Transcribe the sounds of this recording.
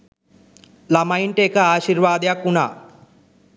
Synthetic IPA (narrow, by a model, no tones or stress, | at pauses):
lɐmɐjɳʈeːkɐaːʃiɾʋaːd̪jakuna